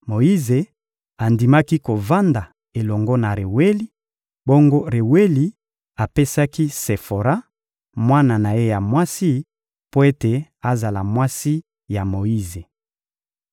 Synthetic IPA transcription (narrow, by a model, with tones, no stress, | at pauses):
mo˨ji˦ze˨ | a˨ndi˨ma˦ki˦ko˨va˦nda˨ | e˨lɔ˨ŋɡo˦na˨ʁe˨we˦li˦ | bo˦ŋɡo˦ʁe˨we˦li˨ | a˨pe˦sa˦ki˦se˨fo˨ɾa˦ | mwa˦na˨na˨je˦ja˨mwa˦si˦ | po˦e˦te˨a˨za˨la˨mwa˦si˦ | ja˨mo˨ji˦ze˨